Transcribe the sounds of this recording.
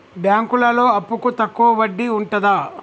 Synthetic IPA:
bjaːŋkulɐlo̞ːɐpːukut̪ɐkːuʋɐʋɐɖːiuɳʈɐd̪ɐ

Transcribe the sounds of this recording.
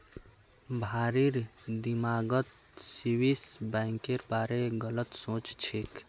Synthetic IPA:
bʱaɾiɾd̪imaːɡət̪ | siwisbɛŋkeɾpaːɾeɡələt̪sõt͡ʃt͡ʃʰik

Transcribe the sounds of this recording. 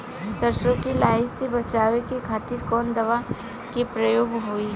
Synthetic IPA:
sɐɾsõkilaːɪsebɐt͡ʃaːʋekekʰaːt̪iɾkɔːnd̪ɐʋa | kepɾɐjoːɡɦoi

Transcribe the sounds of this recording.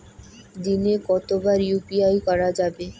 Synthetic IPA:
d̪inekɔt̪obaɾjupiajkɔɾad͡ʑabe

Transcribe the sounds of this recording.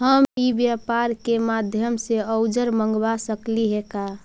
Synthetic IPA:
ɦəmibjapaɾkemad̪ʱjəmseəʊd͡ʒəɾməŋɡbasəkliɦeka

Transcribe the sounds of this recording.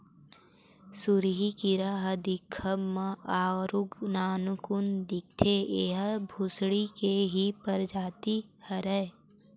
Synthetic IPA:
sʊɾɦikiɾaɦəd̪ɪkʰːəməaːɾʊɡnaːnkʊnd̪ɪk̚t̪ʰeeɦbʱʊsɽikeɦipəɾd͡ʒaːt̪ihəɾɛː

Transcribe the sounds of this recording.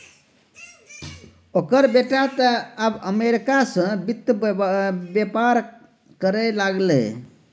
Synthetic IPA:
okəɾbeʈat̪əabəmeɾikasə̃bit̪ːə | bjepaɾ | kəɾɛlaɡlɛ̰

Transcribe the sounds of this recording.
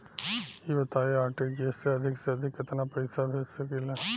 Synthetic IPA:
iʋət̪ajeaːɾʈid͡ʒieseɐd̪ʱikseɐd̪ʱikət̪ʰanapɐjsabʱeːt͡ʃsəkila

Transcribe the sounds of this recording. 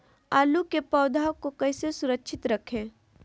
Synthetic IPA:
aːlukepɔːd̪ʱaːwkokɐɪsesʊɾəkːʃʰɪt̪ɾəkʰẽː

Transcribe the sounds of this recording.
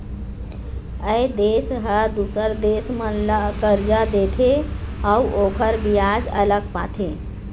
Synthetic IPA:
əjd̪esɦəd̪usəɾd̪esmənləkəɾd͡ʒəd̪et̪ʰeauʔokʰəɾbijad͡ʒə̰ləɡpat̪ʰe

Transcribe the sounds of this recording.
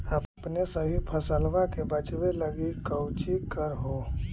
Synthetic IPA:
əbpnesəbʱipʰəsəlʋakebət͡ʃweləɡikəwt͡ʃikəɾɦo

